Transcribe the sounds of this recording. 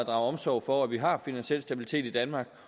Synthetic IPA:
d̥ʁɑ̈ʊɒ̽msɒʊfɒæʋiɦɑ̈finænɕiel̰sd̥æb̥ilit͡sʰe̝̰ːd̥id̥ænmɑ̈ːɡ̥

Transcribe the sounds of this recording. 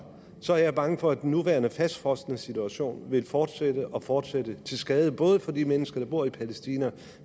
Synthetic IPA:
sɒ̽æɐjɑb̥ɑ̈ŋəfɒ̽æd̥enːuʋæɐnəfæsd̥fɒsd̥ənəsit͡sʰuæɕo̝̰ːnʋe̝lfɒːd̥sed̥əʔɒ̽fɒːd̥sed̥ət͡sʰe̝lsɡ̥ɛːð̞ˠəb̥ɔ̽ːð̞ˠəfɒ̽d̥imenəsɡ̥ɐd̥ɑ̈b̥o̝ɐ̰ipʰælesd̥iːnæ

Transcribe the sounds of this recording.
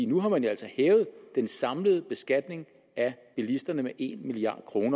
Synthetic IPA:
inuɦɑ̈mænjoæl̰sɒhɛːʊð̞̩ˠd̥ensɑ̈mləð̞̩ˠəb̥e̝sɡ̥æd̥ne̝ŋ | æb̥ilisd̥ɐnəmeʔe̝̰nmiliɑ̰̈ːd̥kʰʁo̝ːnɐ

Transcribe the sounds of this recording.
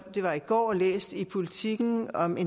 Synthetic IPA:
d̥e̝ʋɑ̈iɡ̥ɒ̰ːlḛːsd̥ipʰo̝lit͡sʰiɡ̥n̩ɒ̽me

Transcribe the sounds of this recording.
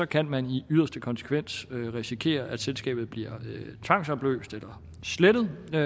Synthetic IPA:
ɒ̽kʰænmæniyð̰ˠɐsd̥əkʰɒ̽nsə̥kʰʋen̰søʁisikʰe̝̰ːɐʔæd̥selsɡ̥ɛ̰ːb̥ð̞̩ˠb̥liɐ̰t͡sʰʋɑ̈ŋ̰sɒb̥lø̰ːsd̥elɐ | sled̥əð̩ˠ

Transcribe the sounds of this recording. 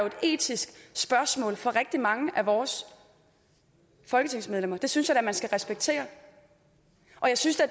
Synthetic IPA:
joe̝d̥e̝̰ːt͡sʰisɡ̥sb̥ɶɐsmɔ̰̽ːlfɒ̽ʁeɡ̥̚d̥imɑ̈ŋəʔæʋɒːs | fɒ̽lɡ̥ət͡sʰe̝ŋsmeð̞ˠlem̰ɐd̥e̝synsjad̥æmænsɡ̥æʁɛsb̥eɡ̥̚t͡sʰe̝̰ːɐ | ʔɒ̽jɑ̈ɪsynsd̥e

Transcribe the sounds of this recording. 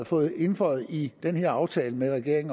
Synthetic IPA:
ð̩ˠfɔ̽ːð̩ˠe̝nfɒ̰ð̩ˠid̥enheɐ̰ɑ̈ʊt͡sʰɛːləmeʁɛɡ̥e̝ɐ̰e̝ŋ

